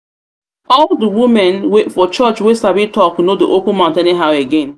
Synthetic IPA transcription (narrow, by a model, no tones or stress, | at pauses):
ɔldəwumɛ̃nwefɔt͡ʃɔt͡ʃwesabitʰɔknodiʔopũnmãʊ̃ntɛ̃neɦaʊeɡɛ̃n